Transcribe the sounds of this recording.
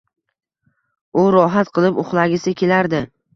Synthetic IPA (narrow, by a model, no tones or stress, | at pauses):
ʊɾɒɦat̪qʰɨlˠɪpʊχlˠaɡʲɪsɪkʲe̞laɾd̪ɪ